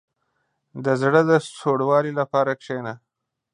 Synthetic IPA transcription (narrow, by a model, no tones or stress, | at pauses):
d̪əzɽəd̪əsoɽwɑlilapɑːɾakʂena